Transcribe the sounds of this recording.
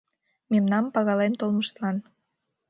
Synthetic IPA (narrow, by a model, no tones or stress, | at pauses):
memnɑmpɑɣɑlent̪olməʃt̪lɑn